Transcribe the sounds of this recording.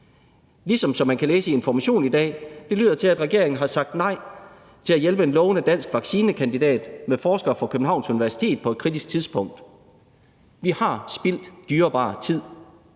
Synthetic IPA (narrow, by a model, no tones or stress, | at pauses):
lisɒ̽msɒ̽mːænkʰæleːsəe̝nfɒmæɕo̝̰ːnid̥ɛ̰ːd̥e̝lyðˠɐt͡sʰe̝læd̥ʁɛɡ̥e̝ɐeŋn̩ɦɑ̈sɑ̈ɡ̥̚d̥nɑ̈ɪ̰ | t͡sʰe̝læjelb̥əe̝nlɔ̽ːʊnəd̥æn̰sɡ̥ʋɑ̈ɡ̥siːnəkʰænd̥id̥ɛ̰ːd̥mefɒːsɡ̥ɐfɒ̽kʰøb̥̚n̩ɦɑ̈ʊ̰nsuniʋæɐsi̥t͡sʰe̝̰ːd̥pʰɒ̽e̝d̥kʰʁid̥is̚t͡sʰiðˠsb̥ɔ̽ŋ̰d̥ | ʋihɑ̈sb̥il̰d̥d̥yːɐb̥ɑ̰̈ːt͡sʰið̰ˠ